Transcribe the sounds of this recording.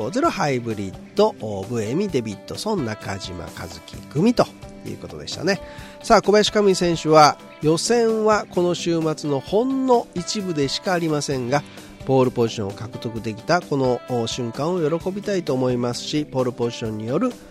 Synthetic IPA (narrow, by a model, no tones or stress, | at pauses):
oːzeɾohaibɯ̟ɾʲit̪ːo̞ːbɯ̟e̞mʲid̪e̞bʲit̪ːo̞sõ̞nːaka̰ʑima̰ka̰zɨkʲḭɡɯ̟mʲit̪o̞jɯ̰ːko̞t̪o̞d̪e̞ɕi̥t̪a̰ne̞ | saːko̞baɕi̥kamɯ̟isẽ̞ɰ̃ɕɨβa | jo̞sẽ̞ɰ̃βako̞noɕɨːmat͡sɨno̞hõ̞nːo̞it͡ɕibɯ̟d̪e̞ɕi̥kaːɾʲimasẽ̞ŋɡa | po̞ːɾɯ̟po̞ʑiɕõokakɯ̟̥t̪o̞kɯ̟d̪e̞kʲi̥t̪ako̞no̞ːɕɨ̃ŋkãɰ̃o̞jo̞ɾo̞ko̞bʲit̪ait̪oːmo̞imasɨ̥ɕipo̞ːɾɯ̟po̞ʑiɕõ̞ɲ̟ːijo̞ɾɯ̟